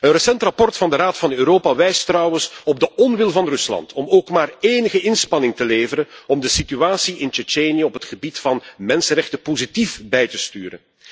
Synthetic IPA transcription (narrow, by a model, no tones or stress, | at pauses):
ənrəsɛntrɑpɔrtfɑndəɾaːtfɑnøːɾoːpaʋɛjstrɑwəsɔb̚dəɔnʋɪlˠvɑnrʏslɑ̰ntʰɔmoːkmaːreːnəɣəɪnspɑnɪŋtəleːvəɾənɔmdəsityaːsiɪnt͡ʃit͡ʃeːniəɔpɦətxəbitfɑnmɛnsənrɛxtəpozitifbɛjtəstyːɾə̰n